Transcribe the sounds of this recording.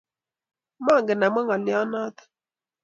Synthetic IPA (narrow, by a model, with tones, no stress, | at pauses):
mɔ˦˨ŋɡɪ˨na˨mɛ˦ŋɔ˨lɪ˦ɔ˦nɔ˦t̪